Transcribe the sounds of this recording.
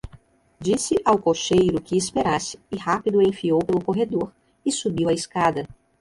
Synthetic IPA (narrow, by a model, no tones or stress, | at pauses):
d͡ʒisɪʔawkoʃejɾʊkɪːspeɾasɪ̥ːhapid̪ʊẽfiowpelʊkoɦed̪oɾ | ɪsubiwɐɪskad̪ɐ